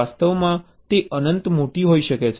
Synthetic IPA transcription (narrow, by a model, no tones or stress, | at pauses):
ast̪əʋmã | t̪eʔənənt̪moʈiɦoiʃəket͡ʃʰ